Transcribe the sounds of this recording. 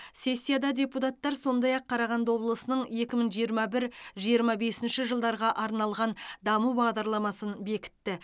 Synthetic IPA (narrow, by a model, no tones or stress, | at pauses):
sʲe̞sʲːijad̪ɑd̪ʲe̞put̪ɑt̪ːɑɾso̞nd̪ɑjɑqʰːɑɾɑʁɑnd̪ɑwo̞blˠəsənəɴje̞kʲɪməɴʒijəɾmɑbɪɾʒijəɾmɑbe̞sɪnʃɪʒəlˠd̪ɑɾʁɑʔɑɾnɑlˠʁɑnd̪ɑmubɑʁd̪ɑɾlˠɑmɑsənbe̞kʲɪ̥t̪ːɪ